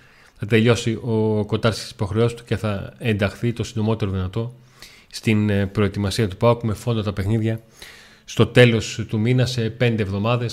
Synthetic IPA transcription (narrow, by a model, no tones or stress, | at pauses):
θɐt̪e̞ʎo̞siʔo̞ko̞t̪ɐɾt̪i̥st̪i̥si̥po̞xɾe̞o̞sist̪u̥ce̞θɐe̞nd̪ɐxθit̪o̞sind̪o̞mo̞t̪e̞ɾo̞ðinɐt̪o̞ | st̪inpɾo̞e̞t̪imɐsiɐt̪upɐkume̞fo̞nd̪ɐt̪ɐpe̞xniðʝɐ | st̪o̞t̪e̞lo̞st̪uminɐse̞pe̞nd̪eːvðo̞mɐðe̞s